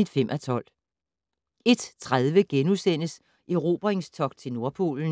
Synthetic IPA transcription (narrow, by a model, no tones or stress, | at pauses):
id̥fem̰ʔɒt͡sʰɒ̽l̰ | e̝d̥t͡sʰʁað̞ˠʋəɡ̥enusen̰əs | ʔeʁo̝̰b̥ɐʁeŋst͡sʰɒ̽ɡ̥̚t͡sʰe̝lno̝ɐpʰo̝̰ːln̩